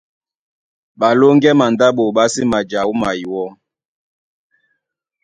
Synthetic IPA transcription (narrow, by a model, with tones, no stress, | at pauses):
ɓa˨lo˦ŋɡɛ˦ma˨nda˦ɓo˨ɓa˦si˦ma˨d͡ʒa˨u˦ma˨i˨wɔ˦